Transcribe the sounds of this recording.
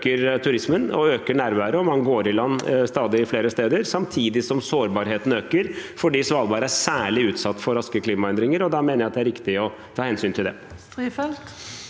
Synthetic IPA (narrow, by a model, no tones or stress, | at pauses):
kəɾt̪ʰʉɾɪsmənɔøːkəɳæːɾʋæːɾəɔmɑnɡoːɾɪlɑnːst̪ɑːd̪ɪɪfleːɾəst̪eːd̪əɾsɑmt̪ʰiːd̪ɪsɔmsoːɾbɑːɾheːt̪n̩øːkəɾfɔɖiːsɔmɑlˠbɑːɾəæsæːɭɪʉːt̪sɑt̪ːfɔɾɑskəkʰliːmɑɛnd̪ɾɪŋəɾɔd̪ɑmeːnəjæɪɑt̪d̪ɛæɾɪkt̪ɪɔ | t̪ʰɑːɛnsyːnt̪ʰɪld̪ɛ | fɛlt̪